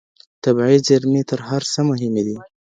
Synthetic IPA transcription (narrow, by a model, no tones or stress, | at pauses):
t̪abʕizaɾmet̪əɾɦaɾsəmʊɦɪmed̪i